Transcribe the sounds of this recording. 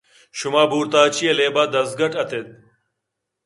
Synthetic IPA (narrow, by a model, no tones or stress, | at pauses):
ɕumaːbuːɾt̪aːt͡ɕʰieleːbaːd̪ɐzɡɐʈɐt̪ʰed̪̚